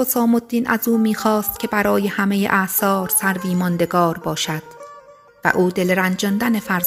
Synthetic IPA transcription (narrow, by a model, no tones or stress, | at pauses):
osɒːmod̪ːiːnʔæ̰zuːmiːxɒːst̪̚cʰʲe̞bæɾɒːje̞hæme̞jḛʔæsɒːɾsæɾbiːmɒnd̪e̞ɡɒːɾbɒːʃæd̪̥ | væ̰ʔuːd̪e̞lɾænd͡ʒɒnd̪æne̞fæɾz